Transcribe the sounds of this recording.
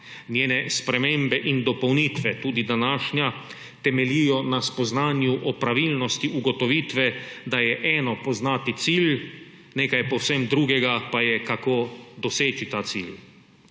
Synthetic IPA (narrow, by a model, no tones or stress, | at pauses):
njeːnɛspɾɛmembɛʔind̪ɔpɔwniːt̪ʋɛt̪uːd̪id̪anaːʃnja | t̪ɛmɛlijɔnaspɔznaːnjuʔɔpɾaʋilnɔst̪iuɡɔt̪ɔʋiːt̪ʋɛd̪ajɛʔɛːnɔpɔznaːt̪it̪sil | neːkajpɔwsɛmd̪ɾuːɡɛɡapajɛkakoːd̪ɔseːt͡ʃit̪aːt̪sḭːl